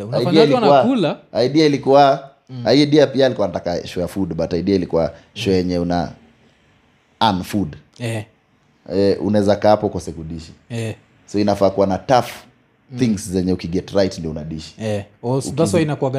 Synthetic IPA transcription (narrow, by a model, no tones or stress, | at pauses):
aiiailiuaulaaiɗiailikua | aiɛɗiapialikuanatakaʃɔjafudɓataiɗiailikua | ʃɔjɛɲɛuna̰ | anfud | ɛṵnaɛzakaːpɔkɔsɛkuɗiʃi̥ | sɔinafaːkuwanataf | θiŋɡszɛɲɛukiɡɛtɾajtndiɔunaɗiʃi̥ɔusainaka